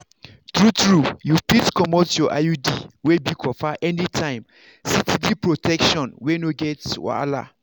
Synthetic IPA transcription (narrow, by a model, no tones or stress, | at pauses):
t̪ɹutɹujuplitkʰɔmotjɔʔajudḭwebikʰɔfaʔɛnitʰãɪ̃m | sitidipɹotʰɛkʃɔ̃nwenoɡɛtw̰a̰la̰